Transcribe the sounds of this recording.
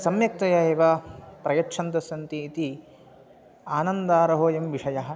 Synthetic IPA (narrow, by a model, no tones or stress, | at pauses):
sɐmjɐk̚t̪ɐjɐeːʋapɾɐjɐtːt͡ʃʰɐnt̪ɐsɐnt̪iːt̪i | aːnɐnd̪aːɾɐɦoːjɐmʋiʂɐjɐɦɐ̆